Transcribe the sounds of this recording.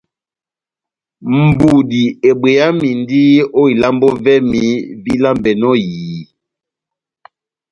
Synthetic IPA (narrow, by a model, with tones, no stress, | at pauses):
m̩˨bu˨di˨e˨be˨ja˦mi˨n˦di˦o˦i˨la˦mbɔ˦vɛ˦mi˨˦vi˦la˦mbɛ˨nɔ˦jiː˨